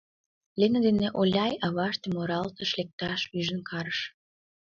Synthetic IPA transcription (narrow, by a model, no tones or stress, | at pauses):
lenəd̪eneʔolʲɑjɑβɑʃt̪emoɾɑlt̪ə̆ʃlek̚t̪ɑʃyʒə̆nkʰɑɾəʃ